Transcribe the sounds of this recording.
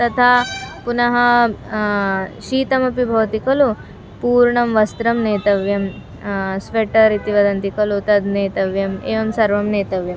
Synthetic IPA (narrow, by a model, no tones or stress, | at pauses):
t̪ɐt̪ʰaːpunɐɦɐ | ʃiːt̪ɐmɐpibʱɐʋɐt̪ikɐlu | puːɾɳɐmʋɐst̪ɾɐmneːt̪ɐʋjɐm | sʋeʈɐɾit̪iʋɐd̪ɐnt̪ikɐlut̪ɐd̪neːt̪ɐʋjɐmeːʋɐmsɐɾʋɐmneːt̪ɐʋjɐm